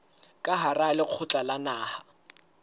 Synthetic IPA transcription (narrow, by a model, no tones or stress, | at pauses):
kʼaɦaralɪq͡χʰʊt͡ɬʼalanaːha